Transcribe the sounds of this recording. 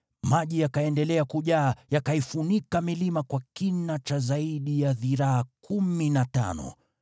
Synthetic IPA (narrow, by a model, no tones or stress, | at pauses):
maʄijakaɛndɛlɛakuʄaːjakaifunikamilimakwakinat͡ʃazaiɗijaðiɾaakuminata̰nɔ̰